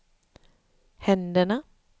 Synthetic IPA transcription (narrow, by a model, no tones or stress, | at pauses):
hɛnd̪əɳə